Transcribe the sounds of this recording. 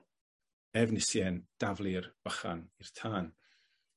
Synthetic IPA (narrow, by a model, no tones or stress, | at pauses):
ɛvnɪsjɛnd̥avlˠɨrb̥əχa̰nirtʰaːn